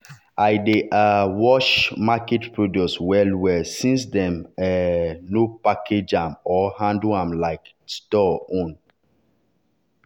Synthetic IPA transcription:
ʔajdeʔawɔʃmakɛtpɹoduswɛlwɛsĩns̬dɛ̃mɛnopakʰed͡ʒãmɔhãnduãmlaɪk | stɔõn

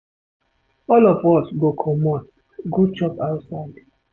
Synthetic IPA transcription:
ɔlɔvɔsɡokʰɔmɔn | ɡot͡ʃɔpaʊtsaɪd

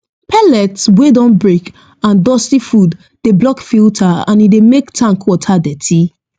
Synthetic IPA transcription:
pʰɛlɛtwedɔ̃nbɹek | ãndɔstifud | deblɔkfiltʰaã̰nidemektʰãŋkwɔtʰadɛtʰi

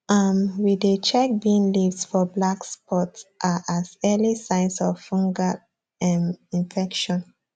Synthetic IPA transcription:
amwidet͡ʃɛk̚biĩŋlivdfɔblakspɔtʔaʔazɛlisãɪ̃nsɔvːɔ̃ŋɡa | mĩnfɛkʃɔ̃n

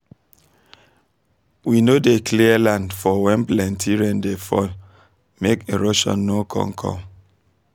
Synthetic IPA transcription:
winodekliəlãndfɔwɛ̃nplɛ̃ntʰiɹɛ̃ndefɔ̰l | mekeɹoʃɔ̰̃nːokʰɔ̰̃mkʰɔ̰̃m

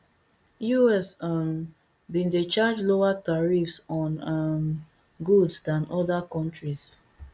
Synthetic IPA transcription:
juɛsam | bĩndet͡ʃad͡ʒloataɹifsɔ̃nam | ɡuddãnɔdakɔ̃ntɹis

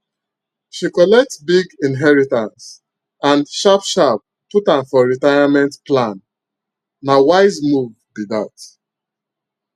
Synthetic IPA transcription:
ʃikɔlɛk̚tbiɡĩnɦɛɹitãns | ãnʃapʃap̚ | putãnfɔɹitajamɛ̃ntplãnː | awaɪzmuv | biðat

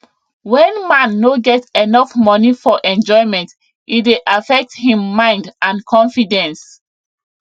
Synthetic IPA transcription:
wɛ̃nmãnːoɡɛtenɔfmɔnifɔʔɛ̃nd͡ʒɔɪmɛ̃nt | itdeʔafɛk̚thĩmːãɪ̃ndãnkʰɔ̃nfidɛ̃ns

